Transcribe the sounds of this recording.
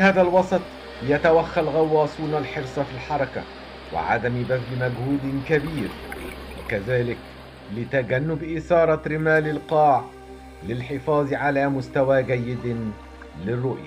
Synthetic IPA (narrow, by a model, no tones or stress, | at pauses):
haːðalwɑsˤɑt̪ˤ | jat̪awaxːalɣɑwːɑːsˤuːnalħɪɾsˤɑfiːlħɑɾˤɑka̰ | wɪ̰ʕa̰d̪ambafɪmaɡhuːd̪kabiːɾ | wa̰kaðaːlɪk | lɪt̪aɡanːʊbʔɪsɑːɾˤɑɾɪmaːlɪlqɑːʕ | lɪlħɪfɑːðˤʕalaːmʊst̪awaːɡajːɪd̪ | lɪrːʊʔja̰